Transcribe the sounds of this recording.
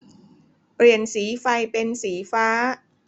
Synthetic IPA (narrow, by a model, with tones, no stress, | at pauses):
pɾi˨˩ənsiː˩˦fa˧jpe˧nsiː˩˦faː˦˥